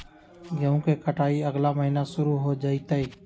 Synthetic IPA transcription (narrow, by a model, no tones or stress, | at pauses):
jəõkekəʈʰaːiəɡlaməɦiːnaʃʊɾuɦod͡ʒaːiːt̪əiː